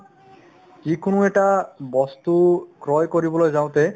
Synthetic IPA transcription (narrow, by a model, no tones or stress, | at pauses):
kikonuɛʈabɔst̪ukɾɔjkoɾibolojd͡ʑaw̃t̪e